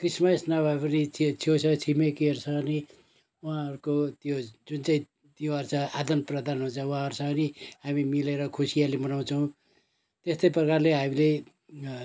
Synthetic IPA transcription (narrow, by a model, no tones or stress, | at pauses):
krismʌsnabʱʌepʌnit͡sʰit͡sʰjot͡sʰʌt͡sʰimekiʌrsʰʌni | uɦãʌɾukot̪jod͡zunt͡saĩ | t̪joʌrt͡sʰʌad̪ʌnprʌd̪anɦunt͡sʰʌuɦãʌɾusʰʌʌniɦamimileɾʌkʰusijalebʌnaw̃t͡sʰʌw̃ | t̪est̪ʌjprʌkarleɦamile